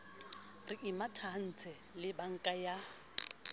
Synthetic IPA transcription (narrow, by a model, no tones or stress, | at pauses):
rɪʔɪmatʰan̩t͡sʰɛ | lɪbaŋ̩kʼaja